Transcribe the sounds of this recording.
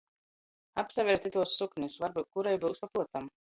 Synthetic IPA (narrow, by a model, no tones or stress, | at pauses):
apsavʲɛɾt̪ʲit̪uɔsːuknʲisvaɾbuːt̪̚kuɾajbɨwspapuɔt̪am